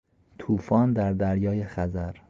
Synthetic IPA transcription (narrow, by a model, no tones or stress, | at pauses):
t̪ʰuːfɒːnd̪æɾd̪æɾjɒːjexæzæɾ